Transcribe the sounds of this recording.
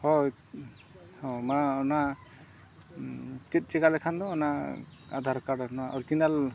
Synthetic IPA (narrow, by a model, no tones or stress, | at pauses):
hɔ | hɔmana | tit̚ˀt͡ʃikalɛkʰand̪ɔɔnaa̰d̪ʱaɾkaɽanaʔɔɾtinal